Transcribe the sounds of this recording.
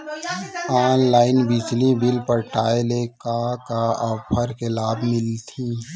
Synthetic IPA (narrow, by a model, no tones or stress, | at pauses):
aːnlaːɪnbid͡ʒlibɪlpəɾʈaːelekakaɔpʰəɾkelaːbmɪlt̪ʰĩː